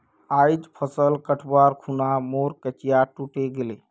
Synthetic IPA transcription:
ajd͡ʒpʰəsəlkəʈʰbaɾkʰunamoɾkət͡ʃijaʈuʈeɡele

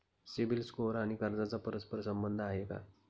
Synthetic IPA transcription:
sibilskoɾaɽ̃ikaɾd͡zat͡sapəɾəspəɾsəmbənd̪ʱaɦeka̰

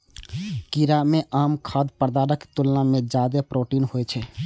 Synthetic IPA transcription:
kiɾamẽʔaːmkʰaːd̪pəɾd̪aːɾəkt̪ulnamẽd͡ʒjaːd̪epɾoːʈiːnɦoɛt͡ʃʰɛ

